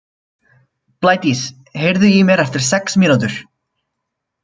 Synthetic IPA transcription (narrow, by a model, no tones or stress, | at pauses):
plaːjt̪is | hejɾðʏjimjɛɾɛft̪ɪɾ̥sɛksmɪnut̪ʏɾ̥